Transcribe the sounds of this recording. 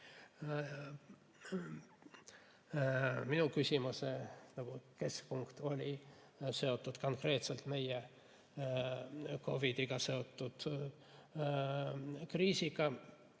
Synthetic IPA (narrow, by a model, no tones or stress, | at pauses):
minukysʲimusenɑɡ̥uke̞skpuŋkt̪o̞lʲi | se̞o̞t̪ːˑud̪̥ko̞ŋkre̞ːt̪selt̪me̞je | ko̞vid̪̥iɡ̥ɑse̞o̞t̪ːud̪̥ | kriːsiɡ̥ɑ